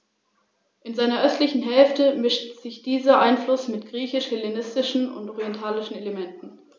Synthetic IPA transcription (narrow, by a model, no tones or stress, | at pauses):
ʔɪnzaɪnɐʔœstlɪçn̩ɦɛlftəmɪʃtz̥ɪçd̥iːzɐʔaɪnflʊsmɪtɡ̥ʁiːçɪʃhɪlenɪstɪʃn̩ʊ̰ntʔɔʁiɛntʰaːlɪʃn̩eləmɛntn̩